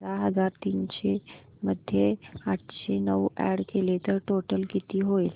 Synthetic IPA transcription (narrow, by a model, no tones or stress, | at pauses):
aɦəzaɾt̪iːnʃe | məd̪ʱːjeaʈʰʃenəwɛ̰ɽkʰelet̪əʈoʈəlkit̪iɦoil